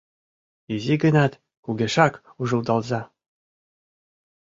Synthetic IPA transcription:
izʲiɡɘ̆nɑt̪ | kuɡʲeʃɑk | uʐɤ̆ld̪ɑlˠzɑ

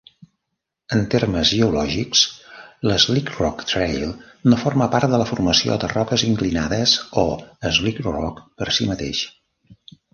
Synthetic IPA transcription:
ənt̪erməzʒəulɔʒiksləzlikrɔkt̪ɾejlˠ | noforməpaɾt̪̚d̪ələfurməsio̰d̪ərɔkəziŋklinaðəsoəzlikrɔkpəɾsimət̪ḛʃ

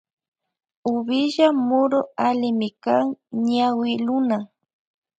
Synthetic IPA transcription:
ʊbɪʒamʊɾoalɪmɪkaŋɲawɪlʊna

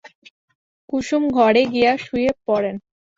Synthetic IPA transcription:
kuʃumɡʱɔɾeɡijaʃujepɔɾen

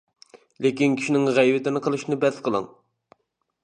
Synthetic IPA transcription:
lekʲinkʲʰi̥ʃinɪŋʁɛjvɪt̪ɪnɪqʰəlˠɨʃnɨbɛd̪sqʰəlˠɨ̰ŋ

